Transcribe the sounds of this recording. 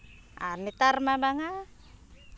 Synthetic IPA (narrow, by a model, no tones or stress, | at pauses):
a̰nit̪armabaŋa